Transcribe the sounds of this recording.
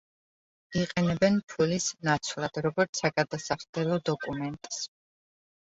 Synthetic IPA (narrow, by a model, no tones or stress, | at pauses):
iqʼɛnɛbɛnpʰulisnat̪sʰwlˠad̪̥ɾɔɡɔɾt̪sʰaɡad̪asaχd̪ɛlˠɔd̪ɔkʼumɛnt̪ʼs